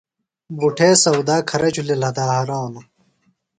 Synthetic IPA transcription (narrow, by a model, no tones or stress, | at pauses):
buʈʰeːsɐwd̪aːkʰɐɾɐt͡ɕulelɐd̪aːhɐɾaːnu